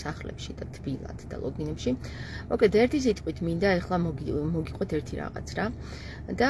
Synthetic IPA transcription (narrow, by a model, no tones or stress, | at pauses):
saχlɛ̰pʃid̪at̪ʰbilˠa̰d̪̥d̪a̰lˠɔ̰ɡ̪inɛpʃi | mɔkʼlɛt̪ɛɾt̪ʰis̬it̪ʼqʼwit̪ʰmind̪aɛχlˠamɔɡiqʼɔt̪ʰɛɾt̪ʰiɾa̰ʁa̰t̪sʰɾa | d̪a